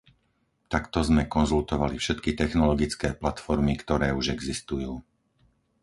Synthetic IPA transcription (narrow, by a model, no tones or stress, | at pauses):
t̪akt̪ɔzmɛkɔnzult̪ɔʋalifʃɛt̪kit̪ɛxnɔlɔɡit͡skɛːplat̪fɔɾmikt̪ɔɾɛːuʒɛɡzist̪ujuː